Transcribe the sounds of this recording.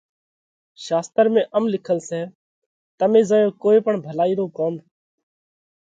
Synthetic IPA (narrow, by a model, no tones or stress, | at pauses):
ʃaːst̪əɾmẽːʔəmlɪkʰəlsɛː | t̪əmẽːzəːjõːkoːeːpəɳbʱəlaːiːɾoːkoːm